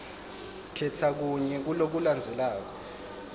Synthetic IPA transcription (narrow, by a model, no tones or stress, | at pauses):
kʰɛtʰak̬uɲɛk̬ulok̬uland͡zʱɛlaːk̬ɔ